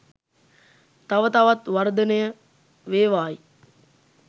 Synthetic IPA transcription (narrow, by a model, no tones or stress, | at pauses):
t̪ɐʋət̪ɐʋat̪ʋɐɾd̪ənəjə | ʋeːʋaːi